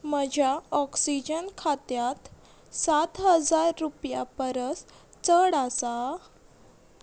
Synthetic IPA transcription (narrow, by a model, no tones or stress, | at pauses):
məd͡ʑʱjaɔksid͡ʑənkʰat̪jat̪ | sat̪ɦəd͡zaɾːupjapəɾəst͡səɽasa